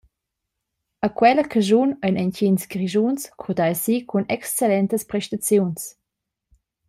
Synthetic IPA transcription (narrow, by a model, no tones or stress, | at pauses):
əkwɛləkʰaʒunəjnɛncinsɡɾiʒunskʰud̪ajsikʰunɛkst͡selɛnt̪əspɾɛʃtat͡sjuns